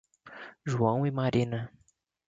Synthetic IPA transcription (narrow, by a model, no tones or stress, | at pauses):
ʒuɐ̃w̃ɪmaɾĩnɐ